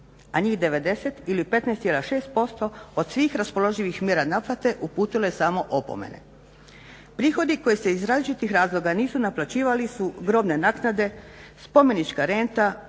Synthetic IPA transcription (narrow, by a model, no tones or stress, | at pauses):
aɲiːxd̪e̞ʋe̞d̪e̞set̪ilipe̞t̪nɛːst̪jelaʃe̞ːst̪̚po̞st̪o̞od̪sʋiːxɾaspo̞lˠo̞ʒiʋixmjeɾanaplˠat̪e̞ʔupuːt̪ilesaːmo̞ʔopo̰mḛne̞̰ | pɾiːxo̞d̪iko̞jese̞izɾaːzlit͡ʃit̪ixɾaːzlˠo̞ɡaniːsunaplˠat͡ɕiːʋalisuɡɾo̞bne̞naːknad̪e̞spo̞me̞nit͡ʃkaɾe̞nt̪a